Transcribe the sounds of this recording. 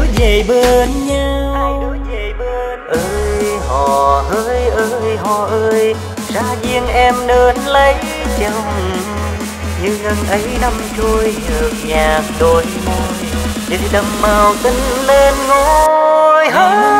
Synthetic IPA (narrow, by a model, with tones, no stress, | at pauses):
zə˨˩jɓe˧˩nɲa˧wjjɗɨ˨˦əzə˨˩jɓe˧˩ | nʔəː˧jɦɔ̰˨˩həː˧˦˥jʔəː˧jɦɔ˨˩ʔəː˧j | zaː˧zi˧ənʔɛ˧mnəː˨˩nlə˧˦j | t͡ɕə˧˩wŋ͡m | hḭ˨˩əhə˧˩ŋʔə˨˦jna˧mt͡ɕu˧əjzɨ˨˦k̚ɲaː˨˩t̚ɗo˨˩jmo˧˩jt͡ɕi˨˩˧ɗə˨˩mmaː˨˩wt̪ï˧ŋ̟le˧nŋo˧˦ | jɦa˧˦